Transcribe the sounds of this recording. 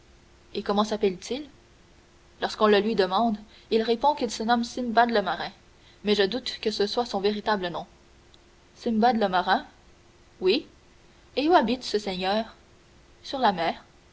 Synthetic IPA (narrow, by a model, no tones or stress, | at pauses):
ekɔmɑ̃sapɛlt̪ʰil | lɔʁskɔ̃ləlɥid̪əmɑ̃d̪ | ilʁepɔ̃kilsənɔmsimbad̪ləmaʁɛ̃ | mɛʒəd̪ut̪kəsəswasɔ̃veʁit̪ablənɔ̃ | simbad̪ləmaʁɛ̃ | wi | euabit̪səsɛɲœːʁ | syʁlamɛːʁ